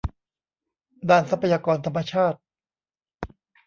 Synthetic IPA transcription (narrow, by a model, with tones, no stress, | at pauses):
daː˧˩nsa˧˦˥pʰa˧jaː˧kɔː˧nt̪ʰa˧mːa˧t͡ɕʰaː˥˩t̪̚